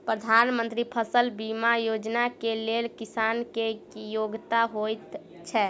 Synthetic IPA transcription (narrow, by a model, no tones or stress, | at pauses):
pɾəd̪ʱanmə̃nt̪ɾipʰəsəlbimajod͡ʒnakelelkisankejoɡt̪aɦojt̪ | t͡ʃʰɛ